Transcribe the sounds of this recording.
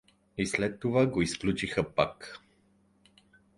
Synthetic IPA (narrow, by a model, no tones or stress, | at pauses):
islɛt̪ːovaɡoisklʲut͡ʃixəpak